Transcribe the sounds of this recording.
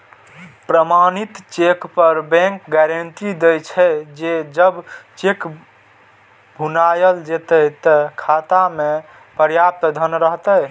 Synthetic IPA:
pɾəmanit̪t͡ʃekpəɾbɛ̃ŋkɡɛɾənt̪id̪ejt͡ʃʰɛd͡ʒed͡ʒəbt͡ʃek | bʱunajəld͡ʒet̪əɦt̪əkʰat̪ame | pəɾjap̚t̪d̪ʱənɾəɦt̪əj

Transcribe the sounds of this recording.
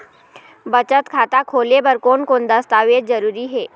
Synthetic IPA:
bət͡ʃət̪kʰaːt̪akʰoːlebəɾkoːnkoːnd̪əst̪aːʋeːd͡ʒzəɾuːɾiɦɛː

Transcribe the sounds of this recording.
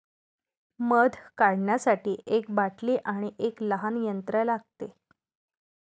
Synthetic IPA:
məd̪ʱkaɽɳjasaʈiːʔekbaʈliːʔaɽ̃iʔekləɦanjənt̪ɾəlaɡ̚t̪e

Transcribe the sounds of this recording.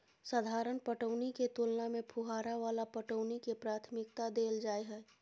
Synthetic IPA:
səd̪ʱaːɾənpəʈəʊniket̪ulnamẽpʰuɦaːɾaʋaːlapəʈəʊnikepɾaːt̪ʰmɪk̚t̪ad̪eːld͡ʒaːeɦɛː

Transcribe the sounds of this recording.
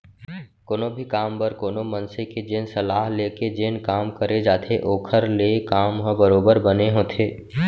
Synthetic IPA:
koːnobʱikaːmbəɾkoːnomə̃nseked͡ʒeːnsɐlaːɦleːked͡ʒeːnkaːmkəɾed͡ʒaːt̪ʰeʔoːkʰəɾlekaːmɦə̃bəɾoːbəɾbəneɦõːt̪ʰeː

